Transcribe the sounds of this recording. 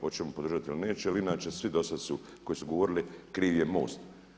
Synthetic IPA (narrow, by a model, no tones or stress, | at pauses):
ot͡ʃemupod̪ɾrʒat̪iiline̞ːt͡ʃealiinaːt͡ʃe̞sʋid̪o̞sad̪su | ko̞jisuɡoʋo̞ɾilikɾiːʋjemo̰ːst̪